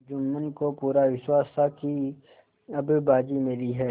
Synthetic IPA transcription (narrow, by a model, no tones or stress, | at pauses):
d͡ʒʊmːənkopuːɾaʋɪʃwaːst̪aki | ɐbbaːd͡ʒimɪliɦɛː